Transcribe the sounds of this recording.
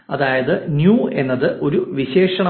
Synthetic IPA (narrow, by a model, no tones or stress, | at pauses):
ɐðaːjɐðɨnjuːe̞nːɐðɨʔo̞ɾuʋiɕe̞ːʂɐɳɐ